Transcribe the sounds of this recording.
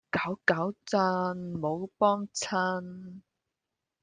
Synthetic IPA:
kɐː˨˥wkɐ˨˥wt͡sɐ˧˥nmo˨˧wpɔː˥ŋt͡sʰɐ˥n

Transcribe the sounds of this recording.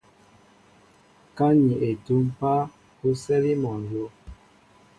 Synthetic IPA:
ka˦ɲi˨ʔe˨tu˦m˦pa˦ | ku˦sɛ˦li˦mɔ˨n˨zo˦

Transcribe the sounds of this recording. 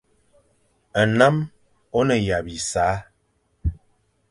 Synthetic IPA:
ə˨na˦m | o˦nə˨ja˨bi˨saː˨˦

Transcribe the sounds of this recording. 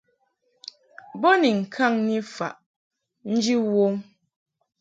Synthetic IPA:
bɔ˦ni˨ŋ̩˨kʰa˦˨ŋni˦fa̰˨ʔ | n̩˦d͡ʒi˦wo˦m

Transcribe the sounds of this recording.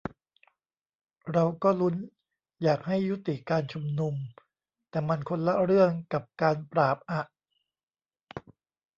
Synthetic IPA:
ɾa˧wkɔː˥˩lu˦˥n | jaː˨˩k̚ha˥˩jːu˦˥t̪i˨˩kaː˧nt͡ɕʰu˧mnu˧m | t̪ɛː˨˩ma˧nkʰo˧nla˦˥ɾɯ˥˩əŋka˨˩p̚kaː˧npɾaː˨˩p̚ʔa˨˩ʔ

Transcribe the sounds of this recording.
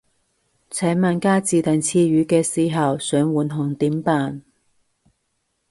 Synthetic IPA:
t͡sʰɛ˨˥maː˨˧nkaː˥t͡siː˨˧t̪ɐ˨˩nt͡sʰiː˧ɥyː˨˧˥kɛː˧siː˨ɦɐ˨wsœː˨˥ŋwuː˨˩nɦʊ˨˩ŋt̪iː˨˥mpaː˨n

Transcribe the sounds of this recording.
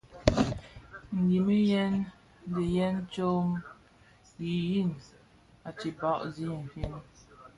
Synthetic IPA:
ŋ̩˨ɡi˨mi˦jɛ˦n˦ | di˨jɛ˦nt͡ʃo˦m | ɡi˨ji˦˨n | a˨t͡ʃi˨ba˦ʔzi˦n̩˨fi˦n˦

